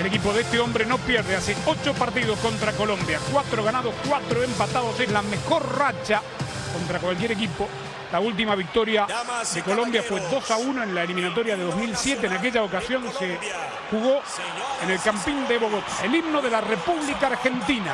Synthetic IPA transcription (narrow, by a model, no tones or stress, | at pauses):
ele̞kipo̞ðest̪eo̞mbɾe̞no̞pjeɾð̞easeo̞t͡ʃo̞paɾt̪̬iðo̞sko̞nt̪ɾako̞lõ̞mbjakwat̪ɾoɣ̞anaðoskwat̪ɾoempat̪aðoseslame̞xo̞ɾrat͡ʃa | ko̞nt̪ɾakwalk̬je̞ɾe̞k̬ipo̞ | lault̪̬imaβ̞ik̚t̪o̞ɾjaðe̞ko̞lo̞mbjafwe̞d̪o̞sauno̞ẽ̞nlaelimĩnat̪̬o̞ɾjaðe̞ðo̞zmilsje̞t̪̬eːnak̬e̞ʎaokasjo̞nse̞ | xuɣo̞ | ene̞lkampind̪e̞βo̞ɣot̪ḁelibno̞ðe̞lare̞puβlikaːɾxe̞nt̪ina